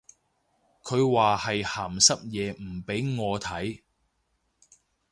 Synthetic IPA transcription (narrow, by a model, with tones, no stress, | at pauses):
kʰɵ˨˧ɥwaː˨hɐ˨jhaː˨˩msɐ˥p̚jɛː˨˧m̩˨˩pe˨˥jŋɔː˨˧t̪ʰɐ˨˥j